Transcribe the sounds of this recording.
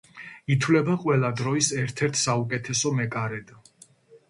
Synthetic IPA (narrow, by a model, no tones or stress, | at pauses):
it̪ʰwlɛbaqʼwɛlˠad̪ɾɔisɛɾt̪ʰɛɾt̪ʰsaukʼɛt̪ʰɛsɔmɛkʼaɾɛd̪a